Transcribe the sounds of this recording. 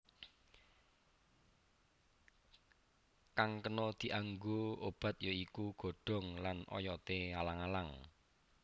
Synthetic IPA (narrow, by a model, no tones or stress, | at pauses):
kaŋkənɔd̪̥i̤ʔaŋɡoob̥a̤t̪̚joikuɡ̥o̤ɖ̥ɔ̤ŋlanɔ̰jɔt̪ealaŋalaŋ